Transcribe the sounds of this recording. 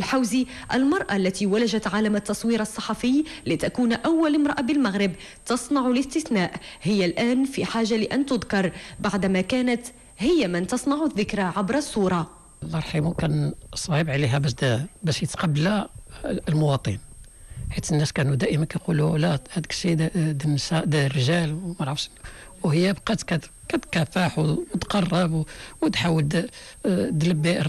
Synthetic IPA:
ɪlħawzi | ʔəlmɑɾˤʔalːæt̪iwalæʒat̪ʕaːlamat̪ːɑsˤwiːɾɑsˤːɑħɑfəjlɪt̪akuːnʔawːalɪmɾˤɑʔabɪlmaɣɾɪb | t̪ɑsˤnɑʕʊlɪst̪ɪθnaːʔhɪjːalʔæːnfiħaːʒːalɪʔænt̪ʊd̪kɑɾˤbaʕd̪makæːnæt̪ | hɪjːamɪnt̪ɑsˤnɑʕʊðːɪkɾaʕabɾɑsˤːuːɾˤɑ | lʔɑɾˤħimukænsˤɑhəbʕliɦæbæʃd̪bæʃjət̪qɑbːlæ | lmʊwɑt̪ˤin | ħit̪ənːæskænud̪æʔəmænkæjqululæhæd̪əkʃid̪ənːəsæʔd̪ərːəʒælmæɾˤɑfʃwhəjːæbqɑt̪kækæt̪kæfaħwt̪qɑrˤːɑbwwət̪ħawːəld̪ | d̪ləbːi

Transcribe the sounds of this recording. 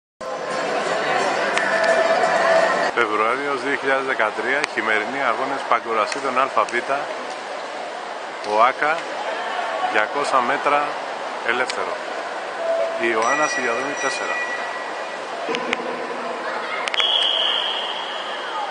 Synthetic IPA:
sofe̞vɾuɐɾiozðio̞çiʎaðe̞zðe̞kɐt̪ɾiɐçime̞ɾiniɐɣo̞nespɐɡuɾɐst̪it̪o̞nɐlfɐvit̪ɐ | oɐkɐ | ðʝɐko̞sɐme̞t̪ɾɐ | ele̞fθe̞ɾo̞̰ | ioɐnɐsiɡɐðonit̪ːe̞se̞ɾɐ̰

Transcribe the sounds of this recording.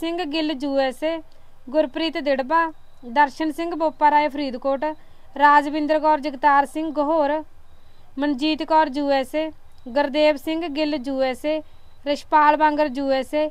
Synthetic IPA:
sɪ̃ŋɡɡɪld͡ʒuːɛːseː | ɡʊɾpɾiːt̪d̪ɪɽbaː | d̪əɾʃənsɪ̃ŋɡboːpːaːɾaːepʰɾiːd̪koːʈ | ɾaːd͡ʒbɪ̃nd̪ɾkɔːɾd͡ʒəɡt̪aːɾsɪ̃ŋɡɡəɦoːɾ | mənd͡ʒiːt̪kɔːɾd͡ʒuːɛːse | ɡəɾd̪eːbsɪŋɡɡɪld͡ʒuːɛːseː | ɾəʃpaːlbãːŋɡəɾd͡ʒuːɛːseː

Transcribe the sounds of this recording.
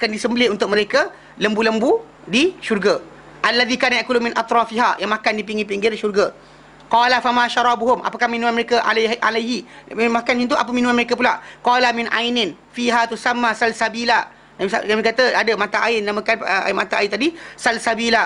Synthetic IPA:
akandisəmbəlɪunt̪ʊk̚məɾeka | ləmbuləmbu | diʃurɡa | ʔalːaðikanajaʔkulumɪnʔɑt̪ɾɑfiɦajaŋmakandip̬iŋɡip̬iŋɡɪriʃurɡa | qɑlafamãʃɑɾˤɑbuɦʊmʔa̰pakahmĩnũmanməɾekaʔaʔalajɦimakanint̪uʔa̰p̬əmĩnũanməɾekap̬ulaʔqɑːlamɪnʔa̰jnɪnfiɦat̪usamːasalsabila | nabisanabikat̪əadəmat̪aʔaɪnnamakana̰nmat̪aʔaɪnt̪adisalsabila

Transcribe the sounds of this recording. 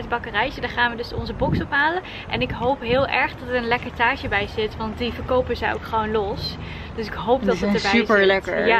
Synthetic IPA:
t̚bɑkərɛjzədaːɹχaːnʋədɵsɔ̰nzəbɔksɔpɦaːlən | ʔɛ̰nɪkɦowpɦɪːlˠʔɛɹχdɑtərənlɛkəɹtaːɹʒəbɛjzɪtʋɑntdivəɹkowpəzɛjo̰wkχəʋownlɔs | d̥øsɪkɦowp̚dɑtətdəbɛypəɹlɛkəɹja

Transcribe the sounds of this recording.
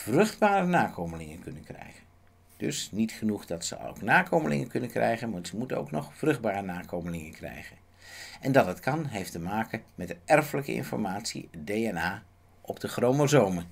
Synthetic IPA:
v̥rɵχd̚baːɾənaːkowməlɪŋənkɵnənkrɛ̰jχən | d̥ɵ̰snitχənuχdɑtsə̰o̰wknaːkowməlɪ̰ŋənkɵnənkrʔɛ̰jχənmazəmuto̰wknɔχfrɵχd̚baːɾənaːkowməlɪŋənkrɛ̰jχən | ɛndɑtətkɑnɦejftəmaːkənmɛdəɛrfələkə̰ɪ̰nfɔ̰ɹmaːtsḭdejɛnaː | ʔɔb̚dəχrowməzowmə

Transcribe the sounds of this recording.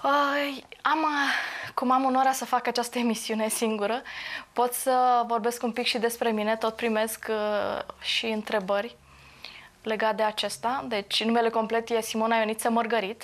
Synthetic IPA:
əamkumamunoɾeasəfakat͡ʃast̪əemisiune̞siŋɡuɾəpo̞t̪sʲsəvo̞rbe̞skumpikʃid̪e̞spɾe̞mine̞t̪o̞t̪̚pɾime̞sk | ʃiɨnt̪ɾe̞bərʲ | le̞ɡat̪̚d̪e̞at͡ʃe̞st̪ad̪e̞t͡ʃʲnume̞le̞ko̞mple̞t̪je̞simo̞najo̞nit̪semərɡəɾit̪

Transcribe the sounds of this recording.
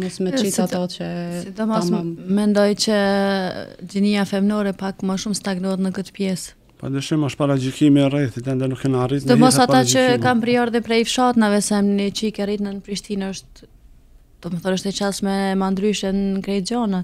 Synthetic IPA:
mɔsmɛt͡ʃisat̪ɔt͡ʃəsid̪ɔmɔmɛnd̪ɔjt͡ɕə | d͡ʑiniafɛmnɔɾɛpakməʃumst̪aɡnɔɛt̪nəkət̪ə̥pjɛs | pa̰d̪əʃimɔʃpaɾad͡ʒikimirɛθit̪ɛnd̪ɛnukɛnaritt̪nd̪ɔmɔsat̪at͡ʃəkampɾiɔɾðɛpɾɛjfʃat̪navɛsɛmnit͡ʃikɛrit̪nanəpɾiʃt̪inəʃt̪ | d̪̥ɔməθɔnəʃt̪ɛt͡ʃalsmɛmand̪ɾyʃjɛnkɾɛjt̪d͡ʒɔna

